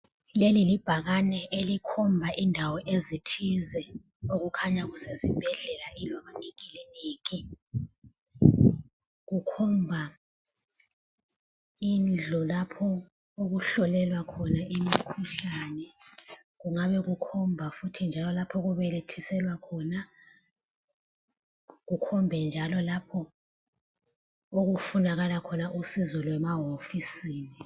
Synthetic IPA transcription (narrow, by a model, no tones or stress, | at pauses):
lelilib̥ʱaɣanɛʔelikʰɔmbʱaʔindʱawɔʔezitʰizɛ | oɣukʰaɲaɣusezib̥ʱɛɮɛlaʔilwaβaniɣilɛneːɣi | ɣukʰɔmbʱa | ind͡ɮʱɔlapʰɔ | oɣuɬɔlɛlwakʰɔnaʔimikʰuɬanɛ | ɣuŋaβɛɣukʰɔmbʱafutʰind͡ʒʱalɔlapʰɔɣuβɛlɛtʰɛsɛlwakʰɔna | ɣukʰɔmbʱɛnd͡ʒʱalɔlapʰɔ | oɣufunaɣalakʰɔnaʔusizɔlwɛmaɦofisiːni